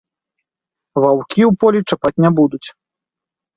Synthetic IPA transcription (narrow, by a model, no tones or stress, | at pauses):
vawkʲiwpɔlʲit͡ʂapat͡sʲnʲabud̪ut͡sʲ